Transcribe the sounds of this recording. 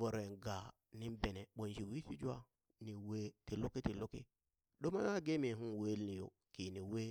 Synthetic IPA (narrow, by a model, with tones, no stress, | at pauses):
vo˨ɾo˨ɡa˨ | ni˦mbe˨ne˨ɓo˨nʃi˨wi˦si˦d͡ʒwa˦ | ni˨we˦ti˨lo˦ki˦ti˨lo˦ki˦ | ɗo˦ma˦a˦ɡe˦mi˨ɦu˦nwe˦lni˨jo̰˨ | ki˨ni˨we˦